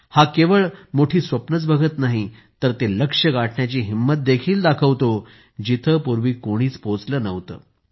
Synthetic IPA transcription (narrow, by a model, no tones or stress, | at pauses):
hakeʋəɭmoʈʰiːsʋəpnət͡sbʱəɡʱət̪naɦit̪əɾt̪eləkʂəɡaʈʰɳjat͡ɕiːɦimːət̪̚d̪ekʰiːld̪akʰəʋt̪o | d͡ʑit̪ʰəpuɾʋiːkoɽ̃iːt͡spot͡sləːnəʋt̪ə̰ː